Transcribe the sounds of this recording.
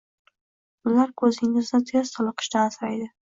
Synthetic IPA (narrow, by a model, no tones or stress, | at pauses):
ʊlaɾkʰɵzɪŋɡʲɪzd̪at̪ʰjɒst̪ʰɒlˠɨqɨ̥ʃt̪aːsɾajd̪ɪ